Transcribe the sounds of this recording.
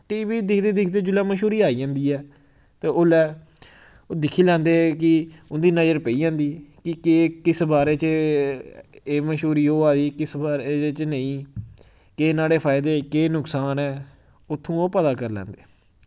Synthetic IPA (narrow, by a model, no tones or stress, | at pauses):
ʈiːʋiːd̪ɪkʰd̪eːd̪ɪkʰd̪eːd͡ʒʊlaːməʃuːɾiːaːiːd͡ʒãːnd̪iːɛː | t̪eːʊlɛː | oːd̪ɪkʰːiːlɛ̃ːnd̪eːk̬ɪʊnd̪iːnəd͡ʒəɾpəiːd͡ʒãːnd̪iːkɪkeːkɪsbaːɾeːt͡ʃ | eːməʃɦuːɾiːoːaːd̪iːkɪsbaːɾeet͡ʃnəĩː | keːnaːɽeːpʰaːɪd̪eːkeːnʊksaːnɛː | ʊt̪ʰːũːoːpət̪aːkəɾlɛ̰ːnd̪eː